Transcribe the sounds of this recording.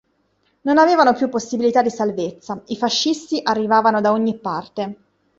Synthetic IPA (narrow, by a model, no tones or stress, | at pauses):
nonaveːvanopjupːosːibilit̪ad̪isalvet̪sːaifaʃːist̪iʔarːivaːvanod̪aoɲːipːart̪e